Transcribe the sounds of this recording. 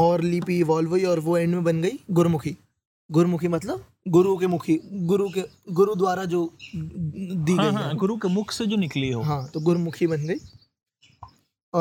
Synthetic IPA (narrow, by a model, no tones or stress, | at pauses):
ɔːɾlipiʋɔːlʋoiɔːɾʋoɛ̃ːɳɖmẽbɐnɡɐiːɡʊɾmʊkʰiː | ɡʊɾmʊkʰimɐt̪ləb̚ | ɡʊɾukemʊkʰiɡʊɾuke | ɡʊɾud̪waːɾad͡ʒoː | d̪iɡɐiɦɛ̃ɡʊɾukemʊkʰsed͡ʒoːnɪkliɦoɦãːt̪oːɡʊɾmʊkʰibɐnɡɐiː | ɔ